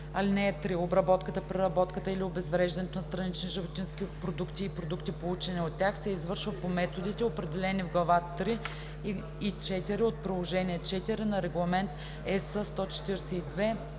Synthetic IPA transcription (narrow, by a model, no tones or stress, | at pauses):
ɐlinɛɛt̪ɾiobɾɐbɔt̪kət̪əpɾɛɾɐbɔt̪kət̪əiliobɛzvɾɛʒd̪ɐnɛt̪onɐst̪ɾɐnit͡ʃniʒəvot̪ʲinskipɾod̪ukt̪iːpɾod̪ukt̪ipout͡ʃɛnʲiot̪ʲːjaxsɛizvɤɾʃvəpomɛt̪od̪it̪ɛopɾɛd̪ɛlɛnivɡlˠɐvat̪ɾiː | t͡ʃɛt̪iɾiot̪̚pɾilˠoʒɛniɛt͡ʃɛt̪iɾinɐɾɛɡlˠɐmɛnt̪ | ɛsəst̪ɔt͡ʃɛ̥t̪iɾɛsɛid̪vɛ